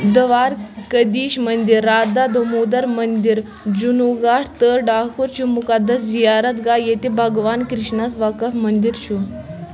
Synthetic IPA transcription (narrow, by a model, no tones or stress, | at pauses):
d̪əʋaːɾkəd̪iːɕmənd̪iɾːaːd̪ad̪ʱomud̪əɾmənd̪iɾ | d͡ʑunuɡaʈʰt̪əɾɖaːkʰuɾt͡ɕumukad̪əszijaɾət̪ɡajet̪ibʱəɡʋaːnkɾiʂɳasʋakəfmənd̪iɾɕu